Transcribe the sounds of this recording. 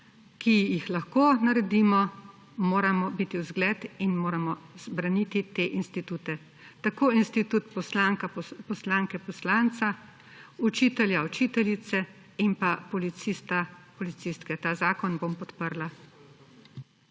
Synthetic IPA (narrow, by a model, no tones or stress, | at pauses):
kijixlaxkoːnaɾɛd̪iːmɔ | moːɾamɔbit̪iwzɡlɛt̪inmoːɾamɔz̥bɾanit̪it̪eːʔinst̪it̪uːt̪ɛ | t̪akoːinst̪it̪ut̪pɔslaŋkapɔslaːŋkɛpɔslant̪sa | ut͡ʃiːt̪ɛljaut͡ʃit̪ɛlit̪sɛ | inpapɔlit̪sist̪apɔlit̪sist̪kɛt̪aːzaːkɔnbompɔt̪pəɾla